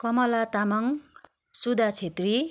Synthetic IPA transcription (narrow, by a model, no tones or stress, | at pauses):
kʌmʌlat̪amʌŋ | sud̪ʱat͡sʰet̪ri